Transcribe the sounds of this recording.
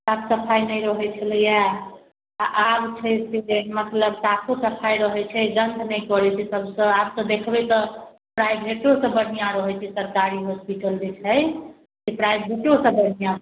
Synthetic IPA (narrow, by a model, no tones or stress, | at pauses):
sapsəpʰajnəjɾəɦɛt͡ʃʰələja | aʔabt͡ʃʰɛseɖenmət̪ləbsakʰosəpʰajɾəɦɛt͡ʃʰɛd͡ʒənd̪ʱnɛjkɔɾɛt͡ʃʰɛsəbsə̃absɔ̃d̪ekʰbɛt̪ɔ | pɾajbʱeʈosə̃bənijãɾəɦɛt͡ʃʰɛsəɾkaɾiɦospiʈəld͡ʒet͡ʃʰɛ | sepɾajbʱeʈosə̃bənijã